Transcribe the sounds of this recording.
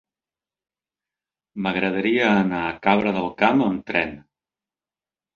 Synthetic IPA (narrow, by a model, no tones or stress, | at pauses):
məɣɾəðəɾiəːnaːkaβɾəðəlˠkaməmt̪ɾɛn